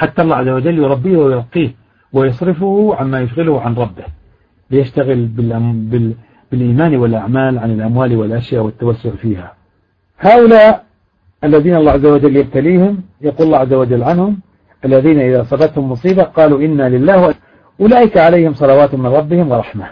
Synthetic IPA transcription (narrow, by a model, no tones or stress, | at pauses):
ħat̪ːaʔlːˤɑːʕazːawad͡ʒalːjʊɾˤɑbːiːhwajlqiːh | wɪjɑsˤɾɪfʊhʕamːajʊʃɣɪlʊhʕanɾˤɑbːɪh | bɪjaʃt̪aɣɪlbɪʔbɪ | bɪlʔiːmaːnwɪlʔaʕmaːlʕanɪlʔamwaːlwɪlʔaʃjaːʔwɪt̪ːawasːʊʕfiːha | haːʔʊlaːʔ | ʔalːaðiːnaʔlːˤɑːʕazːawad͡ʒalːjab̚t̪aliːhʊmjaquːlɑlːɑːʕazːawad͡ʒalːʕanhʊm | ʔalːaðiːnaʔɪðasˤɑbɑt̪hʊmːʊsˤiːbaqɑːluʔɪnːalɪlːaːhwaʔ | ʔʊlaːʔɪkaʕalajhɪmsˤɑlɑwaːt̪hmɪnˤɾˤɑbːɪhɪmwɑɾˤɑħma